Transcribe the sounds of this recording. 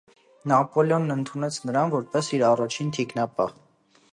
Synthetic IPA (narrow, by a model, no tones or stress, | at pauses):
nɑpɔljɔnːənt̪ʰunɛt͡sʰnəɾɑnvɔɾpɛsiɾɑrɑt͡ʃʰint̪ʰiknɑpɑ̰ʁ